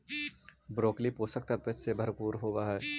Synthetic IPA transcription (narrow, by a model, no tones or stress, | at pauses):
bɾoːklipoːsək̚t̪ɐɾpət͡ʃsebʱɐɾpuːɾɦoːʋaɦɛː